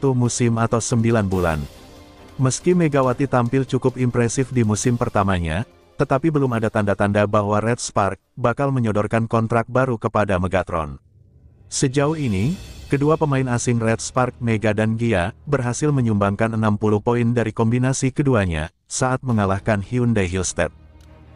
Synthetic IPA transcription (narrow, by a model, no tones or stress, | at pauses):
t̪umusɪmat̪awsəmbilanbula̰n | məskimeɡawat̪it̪ampɪlt͡ʃukʊpimpɾɛsɪfdimusɪmpərt̪amaɲa̰ | t̪ət̪apibəlumadat̪andat̪andabahwaɾɛt̪̚spark̚bakalməɲɔdɔrkankɔnt̪ɾak̚baɾukəpadaməɡat̪ɾɔ̰n | səd͡ʒauhinikəduapəmaɪnasɪnrɛt̪̚spark̚meɡadanɡiabərɦasɪlməɲumbaŋkanənampuluhpoindaɾikɔmbinasikəduaɲa̰ | saat̪̚məŋalahkanhiundaɦilst̪ɛ̰t̪̚